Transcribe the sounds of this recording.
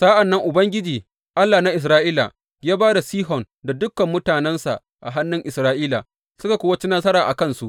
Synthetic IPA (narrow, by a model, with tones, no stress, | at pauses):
saː˦ʔa˨nːɐ˦ŋʔʊ˨bɐ˦ŋɡʲɪ˦d͡ʒiː˨ | ʔa˦lːaː˨na˦ʔɪ˨s̬ɾaː˦ʔiː˦la̰˨ | jaː˦baː˦da˨siː˦ɦɔ˨n | da˨dʊ˦kːɐ˨mːʊ˦taː˨nɛ˦nsa̰˨ʔ | ʔa˨ɦa˦nːɪ˦ŋʔɪ˨sɾaː˦ʔiː˦la̰˨ | sʊ˦ka˨kʷoː˦wɐ˦t͡ʃi˦naː˦sɐ˦ɾaː˨ʔa˨kɐ˦nsu˦ʔ